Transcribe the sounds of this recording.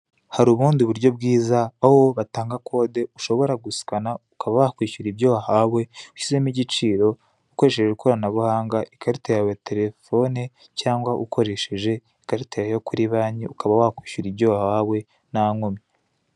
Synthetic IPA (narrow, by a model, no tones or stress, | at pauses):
haɾuβuːndiβuɾɟo̞bɡiːzaaho̞βataːŋɡakʰo̞ːde̞uʃo̞βo̞ɾaɡusi̥kanaukaβawakwiːʃuɾibjohahawe̞uʃize̞miɟit͡ʃiːɾo̞ | uko̞ɾe̞ʃeʒeukʰoɾanaβuhaːŋɡaʔikaɾitejawate̞ɾe̞fo̞ne | caːŋɡwaʔukʰo̞ɾe̞ʃeʒe̞ | ikaɾitejajokuɾiβaːɲiʔukaβawakwiːʃuɾibɟo̞ːhahawe̞ | naŋomi